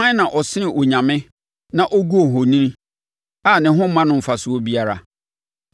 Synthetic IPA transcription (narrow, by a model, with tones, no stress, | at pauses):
ã˦nã˨ʔɔ˨sɪ˦nɪ̃˨ʔɔ˨ɲã˨mɪ̃˦ | nã˨ʔɔ˦ɡu˦o˨ɦɔ˨nĩ˦ñ˦ | aː˦˨nɪ̃˨ɦʊ̃˦mã˦nʊ̃˦m̩˨fa˨sʊ˨o˦bi˦a˦ɾa̰˨